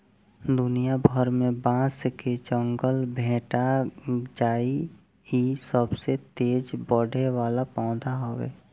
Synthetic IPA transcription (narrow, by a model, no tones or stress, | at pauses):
d̪ʊnijabʱəɾmẽbãːsked͡ʒə̃ŋɡəlbʱẽːʈad͡ʒaːi | isəbset̪eːd͡ʒbəɽʱeʋaːlapãʊd̪aɦoḛː